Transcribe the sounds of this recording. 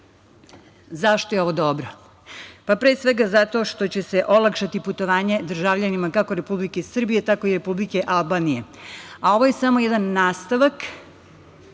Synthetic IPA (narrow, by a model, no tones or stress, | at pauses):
zaʃt̪ojeo̞ʋo̞d̪obɾo | papɾeːsʋe̞ɡazat̪o̞ʃt̪o̞t͡ɕe̞se̞ʔo̞lˠakʃat̪iput̪oʋaːɲe̞d̪r̩ʒaʋʎanimakakoɾepublikesr̩bije̞t̪ako̞iɾe̞publike̞ʔalˠbanije̞ao̞ʋo̞je̞samojɛd̪anːaːst̪aʋak